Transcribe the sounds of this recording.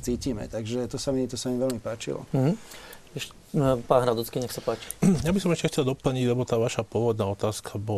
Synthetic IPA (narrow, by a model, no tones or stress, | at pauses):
t͡siːciːmɛ̰t̪aɡʒɛt̪ɔsamit̪ɔsamiʋɛlmipaːt͡ʃḭlɔ̰ɦ̩ɛʃ | paːnɦɾad̪ɔt͡skiɲɛxsapaːt͡ʃi̥jabisɔmɛʃcɛxt͡sɛld̪ɔpl̩ɲiɟlɛbɔt̪aːʋaʃapʊɔʋɔd̪naːɔt̪aːskʰabɔ